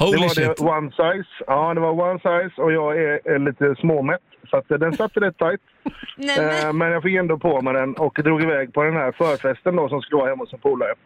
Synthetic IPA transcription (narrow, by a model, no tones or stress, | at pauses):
d̪ɛvaɖɛwansajsɑːd̪ɛvaɾwansajsɔjɑːɡææɭiːt̪əsmoːmɛt̪ːsat̪d̪ɛnsat̪ːəlɛt̪ʰːajt̪ | mɛnjɑːɡfɪkːɛnd̪ɔpʰomɛd̪ɛnɔkd̪ɾuːɡɪvɛːɡ̚pʰɔd̪ɛnhæɾfœːɾfɛst̪ənd̪ɔsɔmskɵləʋɑːhɛmːʊt̪sɔnpʰuːlaɾə